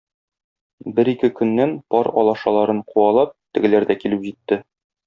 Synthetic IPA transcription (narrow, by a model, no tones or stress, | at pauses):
bɘɾikɘkɵ̆nːænpɒɾɒ̰lˠɑʃɑlˠɑɾɤɴquɑlˠɑp̚t̪ɘ̆ɡɘ̆læɾd̪ækilɘpʑit̪ːɘ